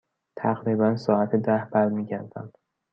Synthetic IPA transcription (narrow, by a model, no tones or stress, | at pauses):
t̪ʰæɣɾibænsɒːæt̪ʰed̪æhbæɾmiːɟæɾd̪æ̰nd̪̥